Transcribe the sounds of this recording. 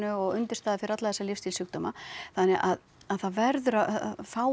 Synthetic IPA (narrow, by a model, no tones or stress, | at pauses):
nʏɔɣʏnt̪ɪ̥st̪aːðfɪɾat̪laðɛsːalɪfst̪ʰɪlsʏkt̪ɔmaθanːɛʔað | aðθaðvɛɾðʏɾafaːw